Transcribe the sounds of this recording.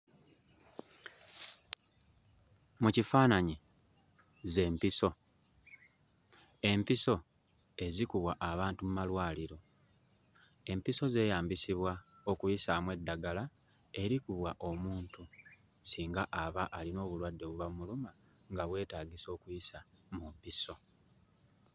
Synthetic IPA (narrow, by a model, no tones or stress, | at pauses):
mucifaːnaɲi | ze̞mpiso̞ | e̞mpiso̞ | e̞zikuβwaʔaβaːntumumalwaːliɾo̞ | e̞mpiso̞ze̞ːjaːmbisiβwa | o̞kujisamwe̞dːaɡala | e̞ɾikuβwaʔo̞muːntu | siːŋɡaʔaβaʔalino̞ːβulwadːe̞βuβammuluma | ŋɡaβwe̞ːtaːɡiso̞ːkujisa | mumpiso̞